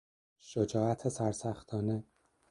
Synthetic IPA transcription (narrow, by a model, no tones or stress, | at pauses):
ʃod͡ʒɒːæt̪ʰesæɾsæxt̪ʰɒːne